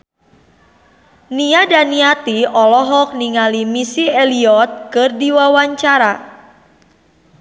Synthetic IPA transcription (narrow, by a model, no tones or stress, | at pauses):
niadaniat̪iɔlɔɦɔk̚niŋalimisieliɔt̪̚kɨrdiwawaɲt͡ʃaɾa